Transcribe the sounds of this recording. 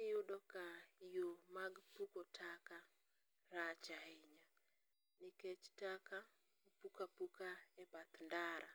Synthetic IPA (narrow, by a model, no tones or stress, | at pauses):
nɪjʊdɔkajomaɡpukɔtʰaka | ɾat͡ʃaiɲa | nɪkɛt͡ʃtaka | upukapukaɛpat̪ndaɾʔa̰